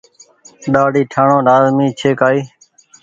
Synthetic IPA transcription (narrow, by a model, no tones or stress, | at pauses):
ɗaːɖiːʈʰaːɳõːɾaːzmĩːt͡ʃʰeːkaːiː